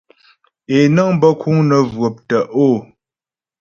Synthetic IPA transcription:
e˨nə˦ŋbə˦kʰu˦ŋnə˨vɰo˨p̚tə˨ʔo˦˨

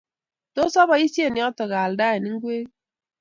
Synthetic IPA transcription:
to˦sɔ˦bɔ˨i˦sje˦˨ni˨˦ɔ˦tə˨ɡa˨lda˦e˨ni˦ŋ̩˦ɡwe˦

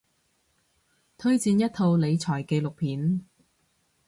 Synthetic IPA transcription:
t̪ʰɵ˥ɥt͡siː˧njɐ˥t̚t̪ʰo˧wle˨˧jt͡sʰɔː˨˩jke˧jlʊ˨k̚pʰiː˨˥n

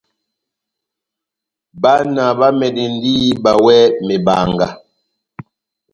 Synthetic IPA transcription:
ba˦na˨ba˦mɛ˨di˨n˦diː˦ba˨wɛ˦me˨ba̰˨ŋɡa˨

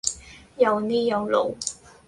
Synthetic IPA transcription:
jɐ˨˧wniː˥jɐ˨˧wlo̰˨˧˥w

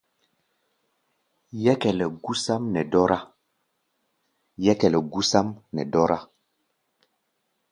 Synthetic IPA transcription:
jɛ˦kɛ˨lɛ˨ɡu˦sa˦mnɛ˨dɔ˦ɾa˦ | jɛ˦kɛ˨lɛ˨ɡu˦sa˦mnɛ̰˨dɔ˦ɾa˦

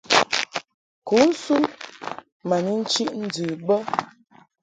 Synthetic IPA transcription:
ku˨˦n̩˦su˦n | ma˨ni˦n̩˦t͡ʃi˦ʔn̩˦d͡zʉ˨bə˦

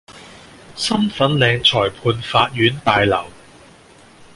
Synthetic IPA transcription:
sɐ˥mfɐ˨˥nlɛː˨˧ŋt͡ʃʰɔː˨˩jpʰuː˧nfaː˧t̚jyː˨˥npaː˨˧jlɐ̰˨˩w

